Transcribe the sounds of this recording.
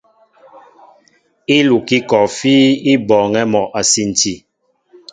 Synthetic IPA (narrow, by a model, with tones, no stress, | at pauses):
i˦lu˨ki˦kɔ˨fiː˦i˦bɔ˨ŋɛ˦mɔ˨ʔa˨si˦n̩˨ti˦˨